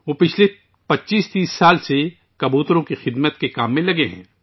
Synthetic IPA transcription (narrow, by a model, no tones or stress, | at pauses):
ʋoːpɪt͡ʃʰle | pɐtːʃiːst̪iːsːaːlse | kɐbuːt̪ɾõkixɪd̪mət̪kekaːmːẽlɐɡeɦɛ̰̃ː